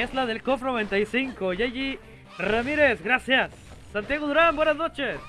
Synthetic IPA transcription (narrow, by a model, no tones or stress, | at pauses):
ezlaðelkofnoβe̞nt̪ajsiŋkoʝaʝi | ramiɾe̞sɡɾasjasː | ant̪jaɣoðuɾambwe̞nazno̞t͡ʃes